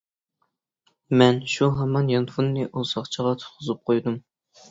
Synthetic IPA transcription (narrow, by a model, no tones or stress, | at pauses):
mɛnʃuɦɛmɑnjɑnfunːɨʔusɑχt͡ʃʰəʁɑt̪ʰʊ̥t̪̚qʰʊzɨp̚qʰojd̪um